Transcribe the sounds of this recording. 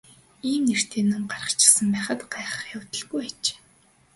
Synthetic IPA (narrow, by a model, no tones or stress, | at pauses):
iːmner̥t̪ʰeːnʊŋɢarə̥̆t͡ɕʰɪ̥̆sə̆mpæːχə̆t̪ɢaːχə̥̆χjawt̪ə̆ɮɣujæt͡ɕe̥ː